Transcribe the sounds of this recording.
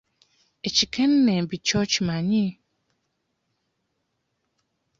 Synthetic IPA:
et͡ɕʰikʰɛ̃nːɛ̃bit͡ɕʰɔt͡ɕʰimãɲĩ

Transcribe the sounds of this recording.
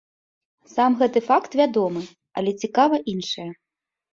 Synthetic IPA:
samɣɛt̪ɨfakt̪vʲad̪ɔmɨ | ɐ̰lʲɛt͡sʲikavɐʔinʂɨjɐ

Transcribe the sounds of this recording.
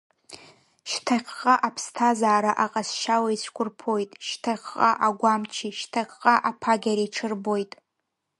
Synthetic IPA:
ʃtʰaqqʼaʔapʰstʰazaːɾaʔaqʼasʃawait͡ɕʷʰkʷʰʊrpʰo̞jtʼʃtʰaqqʼa̰ʔaɡʷamt͡ʃʰiʃtʰaqʼqʼaʔapʰaɡʲaɾijʈ͡ʂʰɨrbojtʼ

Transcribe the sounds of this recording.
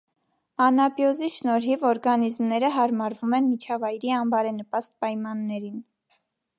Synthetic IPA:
ɑnɑbjɔziʃnɔɾɦivɔɾɡɑnizmnɛɾəɦɑɾmɑɾvumɛnmit͡ʃʰɑvɑjɾiɑmbɑɾɛnəpɑst̪̚pɑjmɑnːɛɾin

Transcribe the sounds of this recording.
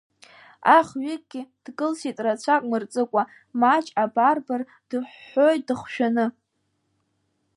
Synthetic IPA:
aχɥɪkʼɡ̥ʲɪd̥ɡɨlsitʼrat͡ɕʷʰakʷʼmɨrt͡sʼɨkʷʼa | mat͡ʃʼabarbar | d̥ɨħʷːojt̚ʼdɨχʷʃᶣanɨ

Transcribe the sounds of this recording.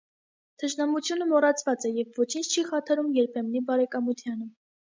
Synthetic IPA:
t̪ʰəʃnɑmut͡sʰjunəmɔrɑt͡sʰvɑt͡sɛjɛvvɔt͡ʃʰint͡ʃʰt͡ʃʰiχɑt̪ʰɑɾumjɛɾpʰɛmnibɑɾɛkɑmut̪ʰjɑnə

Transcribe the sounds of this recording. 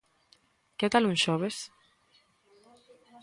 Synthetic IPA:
ket̪alũŋʃoβes

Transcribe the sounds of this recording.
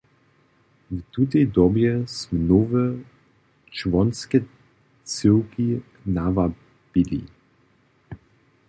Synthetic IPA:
vt̪ut̪ed̪ɔbjɛsmnovɛ | t͡ʃvɔnskɛ | t͡səwki | nava | b̥ilḭ

